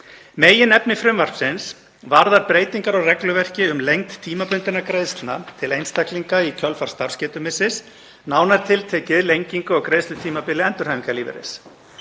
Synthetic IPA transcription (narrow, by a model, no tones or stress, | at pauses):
meːjɪnɛpnɪfɾʏmvar̥psɪns | vaɾðaɾpɾeːjt̪iŋkaɾɔɣrɛklʏvɛr̥cɪʏmlejŋkt̪ʰːiːmapʏnt̪ɪnakɾejðst̪lnat̪ʰɪlejnst̪akliŋkaicʰœlfaɾ̥st̪aɾ̥scɛːt̪ʏmɪsɪs | naːwnaɾ̥t̪ʰɪlt̪ʰɛːcɪðlejɲciŋkʏɔɣkɾejsʏt̪ʰiːmapɪlɪɛnt̪ʏɾhɛːviŋkaɾliːvɪ̰ɾɪ̰s